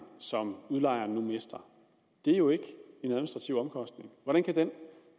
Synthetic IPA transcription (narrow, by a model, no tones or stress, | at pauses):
sɒ̽muðˠlɑ̈ɪ̰ɐːnːumesd̥ɐ | d̥e̝æɐjo̝e̝ɡ̥e̝næðˠminisd̥ʁɑ̈t͡sʰiʊ̰ɒ̽mkʰɒ̽sd̥ne̝ŋʋɒɾænkʰæd̥en